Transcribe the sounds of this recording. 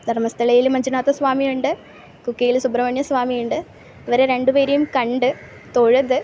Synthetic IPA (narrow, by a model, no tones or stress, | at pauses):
d̪ʱɐrmɐst̪ʰɐɭɐjilmɐɲd͡ʑunaːt̪ːɐsʋaːmijuɳɖɨ | kukːijilsubɾɐʋɐɳjɐsʋaːmijuɳɖɨ | iʋɐɾeɾe̞ɳɖɨpeːɾɐjumkɐɳɖɨ | t̪oɻuðɨ